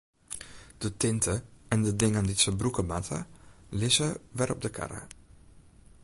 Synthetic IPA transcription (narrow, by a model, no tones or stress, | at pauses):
d̥ətɪntʰəɛndədɪŋənditsəbrukəmatʰə̰lɪzəʋɛrɔ̰b̚dəkʰa̰ɾə̰